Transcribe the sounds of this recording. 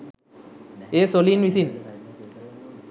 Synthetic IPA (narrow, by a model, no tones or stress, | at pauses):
eːsolinʋisin